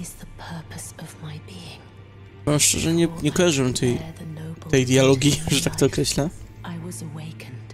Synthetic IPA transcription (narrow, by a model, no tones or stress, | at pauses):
ɪz̥ðəpʰɜ˞pʰəsʌvmaɪbiɪ̃ŋ | vɛmʂt͡ʂɛ̰ʐɛɲɛɲɛkɔjaʐɨwɛmt̪ʰɛjot̪ɛjd̪jalɔɡʲiʐɛt̪ak̚t̪ɔːkɾɛɕlaʔaɪwʌzəweɪkʰə̃nd̥